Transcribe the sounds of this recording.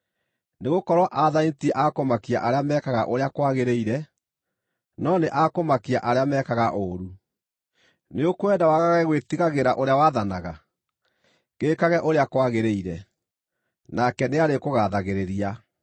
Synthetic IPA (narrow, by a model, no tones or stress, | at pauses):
neɣokɔɾwɔʔaðaitiɛʔakomakia̰ʔaɾeamɛkaɣa̰ʔoɾeakwaɣeɾeiɾɛ | nɔneʔakomakia̰ʔaɾeamɛːkaɣaʔoːɾu | neokowɛdawaɣaɣɛɣwetiɣaɣeɾaʔoɾeawaðanaɣa | ɣekaɣɛʔoɾeakwaɣeɾeiɾɛ | nakɛneaɾekoɣaðaɣeɾeɾia